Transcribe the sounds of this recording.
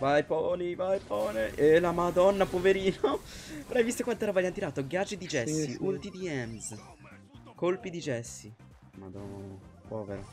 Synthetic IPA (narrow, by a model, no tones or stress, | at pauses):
vajpɔːnivajpɔːneʔelamad̪ɔnːapoveɾiːnoɾajvist̪okwant̪ɛɾavajant̪iɾaːt̪oɡjad͡ʒid̪id͡ʒɛsːiʔult̪id̪iɛmz | kolpid̪id͡ʒɛsːi | ma̰d̪ɔnpɔːveɾa̰